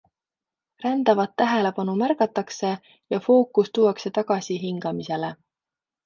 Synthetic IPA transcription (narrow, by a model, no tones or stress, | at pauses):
rænd̪̥ɑvɑt̪ːæɦe̞le̞pɑnumærkɑt̪ːˑɑkse̞ | jɑfo̞ːkːˑust̪uːɑkse̞t̪ɑɡ̥ɑsiɦiŋɡ̥ɑmise̞le